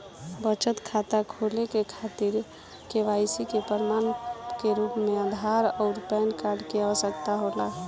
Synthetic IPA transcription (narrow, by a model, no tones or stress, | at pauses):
bət͡ʃət̪kʰat̪akʰolekekʰat̪iɾ | keʋajsikepəɾmankeɾupmeəd̪ʱaɾɔʊɾpɛnkaɾɖkeaəsəkt̪aɦola